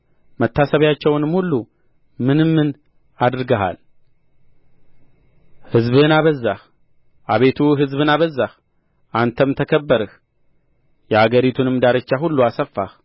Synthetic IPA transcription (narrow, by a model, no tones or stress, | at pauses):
mət̪ʰːasəβjat͡ʃːɛwnɨmhulːu | mɨnɨmːɨn | ad̪ɨɾɨɡəɦa̰l | hɨzbɨnaβəzːah | ʔaβe̞t̪ʰuɦɨzbɨnaβəzːah | ʔant̪ʰəmt̪ʰəkʰəbːəɾɨh | jɛhaɡəɾit̪ʰunɨmd̪aɾət͡ʃːaɦulːuasəfːa̰h